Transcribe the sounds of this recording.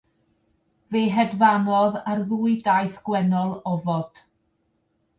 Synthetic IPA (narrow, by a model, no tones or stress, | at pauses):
veːɦɛdvanɔðarðuːɨdajθɡ̥wɛnɔlˠɔvɔd̥